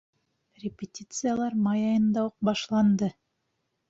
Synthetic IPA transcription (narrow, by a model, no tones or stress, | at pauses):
rʲɪpʲɪtʲit̪sɨjalˠɑɾmɑjɑjɤnd̪ɑuq̚bɑʃlˠɑnd̪ɤ